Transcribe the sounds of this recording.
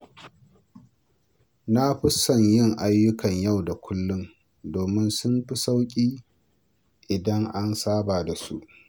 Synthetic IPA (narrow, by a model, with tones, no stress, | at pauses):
na˦ɸɪ˦sːɐ˨ɲjɪ˦˨ŋʔa˦jːʊ˦kɐ˨ɲja˦˨wda˨kʷʰʊ˦lːʊ˦m | doː˨mɪ˦nsʊ˦mɸi˦sa˦wkʲʼiː˦ | ʔɪ˨dɐ˦ŋʔa˦nsaː˦baː˨da˨su˦ʔ